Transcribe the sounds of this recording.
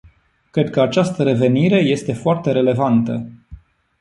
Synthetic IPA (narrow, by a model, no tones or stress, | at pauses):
kɾe̞d̪̚kəat͡ʃast̪əɾe̞ve̞niɾe̞je̞st̪e̞foart̪e̞ɾe̞le̞vant̪ə̰